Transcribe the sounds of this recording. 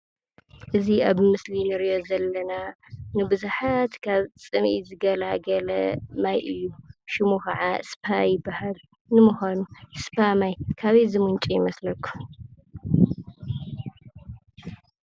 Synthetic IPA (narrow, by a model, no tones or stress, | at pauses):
ʔɨziaβmɨslinɨɾijo̞zɐlːɐna | nɨbɨzuħat̪kʰaβt͡sʼɨmʔḭzɨɡɐlaɡɐlɐ̰majʔɨjːuʃɪmukɐʕaspʰajɪbːahal | nɨmuxanuspʰamajkʰaβezɨmunt͡ʃʼijɪmɐslɐkːu̥